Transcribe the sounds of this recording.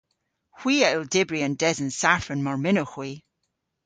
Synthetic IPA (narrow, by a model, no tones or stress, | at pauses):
hw̥iəʔɪlˠdebɹiə̃ndɛzənsaɹfənmɔɹmɪnoxwi